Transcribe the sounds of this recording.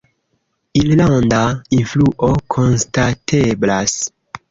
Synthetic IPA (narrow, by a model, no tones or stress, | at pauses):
illandainfluʔokʰo̞nstatʰeblas